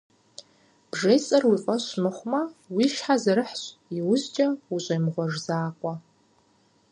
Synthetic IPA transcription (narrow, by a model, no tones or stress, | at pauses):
b̥ʐejt͡sʼɐrwiqʼɐɕmɨχʷmɐwiʃħazɐɾɨħɕʼiwʊzd͡ʒʼɐuɕʷʼɐjmʁʷɔʐzaːqʷʼɔ